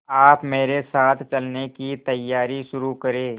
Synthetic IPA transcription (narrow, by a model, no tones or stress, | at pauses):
aːpmeːɾesaːt̪ʰt͡ʃɐlnekit̪ɐjːaːɾiʃʊɾukɐɾeː